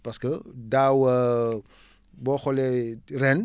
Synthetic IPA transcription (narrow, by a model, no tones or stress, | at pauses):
pɐskədaːwə | bɔːxɔlɛrɛn